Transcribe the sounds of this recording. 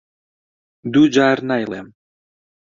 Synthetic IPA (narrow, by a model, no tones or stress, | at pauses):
d̪ud͡ʒarnajlḛm